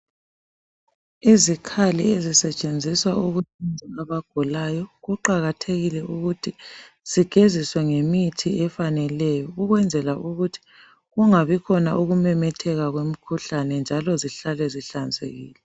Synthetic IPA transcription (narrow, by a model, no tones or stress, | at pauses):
izikʰaliezisɛt͡ʃʼend͡zʱiswauɣutʰind͡zʱaaβaɡ̥ʱulajɔɣuǃaɣatʰeɣilɛʔuɣutʰi | z̥iɡ̥ʱeziswɛŋemitʰiɛfanɛlɛjɔuɣwɛnd͡zʱɛlaʔuɣutʰi̥ | ɣuŋaβikʰɔnaʔuɣumɛmɛtʰɛɣaɣwem̩kʰuɬanɛnd͡ʒʱalɔziɬalɛziɬand͡zʱḛɣḭːlɛ